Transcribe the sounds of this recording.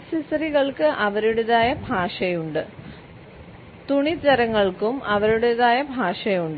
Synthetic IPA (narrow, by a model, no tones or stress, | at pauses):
sisɐriɣɐɭkɨʔɐʋɐɾiɽuðaːjɐbʱaːʂɐjuɳɖɨ | t̪uɳid͡ʑɐɾɐŋːɐɭkumɐʋɐɾuɽuðaːjɐbʱaːʂɐjuɳɖɨ